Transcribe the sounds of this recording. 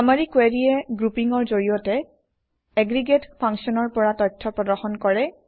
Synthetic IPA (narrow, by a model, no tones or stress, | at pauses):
ameɹikweɹiɛɡɹupiŋɔɹzoɹijɔtɛ | ɛɡɹiɡetpʰaŋsɔnɔɹpɔɹatɔjtʰːɔpɹɔdɔɹxɔnkɔɹɛ